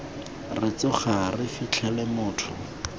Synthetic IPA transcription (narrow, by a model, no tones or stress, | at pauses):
rɪt͡sʊχarɪfit͡ɬʰɛlɛmʊːtʰʊ̰